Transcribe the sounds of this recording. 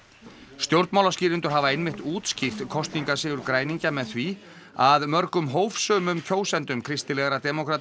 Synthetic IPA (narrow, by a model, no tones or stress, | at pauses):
st̪jowɾt̪mawlasciːɾɪnt̪ʏɾ̥ɦaːvaejnmɪht̪uːt̪scɪft̪kʰɔst̪niŋkasɪːɣʏɾkɾaːjniɲcamɛðθvi | aðmœɾkʏmɦoːwfsœːmʏmcʰoːwsɛnt̪ʏmkʰɾɪst̪ɪlɛːɣɾat̪ɛmokʰɾat̪